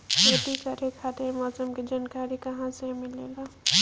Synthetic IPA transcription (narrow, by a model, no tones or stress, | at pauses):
keʈ̪ikəɾekʰat̪emasəmked͡ʒankaɾikɐɦãsẽmilela